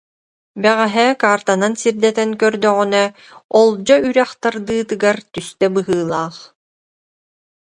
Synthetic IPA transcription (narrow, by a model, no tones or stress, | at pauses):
bɛʁɛɦɛkaːɾt̪anansiɾd̪ɛt̪ɛŋkœɾd̪œʁynɛ | ɔlˠd͡ʑɔyɾɛχt̪aɾd̪ɯːt̪ɯɡaɾt̪yst̪ɛbɯɦɯːlˠaːχ